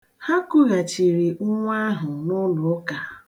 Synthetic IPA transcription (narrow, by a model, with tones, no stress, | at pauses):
ha˦kʊ˦ɣa˨t͡ʃi˨ɾi˨ʊ˦ŋʷa˦ɦʊ˨nʊ˦lʊ˨˦ka˨